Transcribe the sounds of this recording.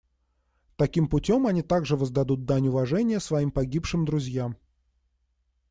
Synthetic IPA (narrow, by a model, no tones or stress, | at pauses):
t̪ɐkʲimpʊtʲomɐnʲit̪aɡʐɨvəzd̪ɐd̪ut̪̚d̪anʲʊvɐʐɛnʲɪjəsvɐimpɐɡʲipʂɨmd̪ɾʊzʲjam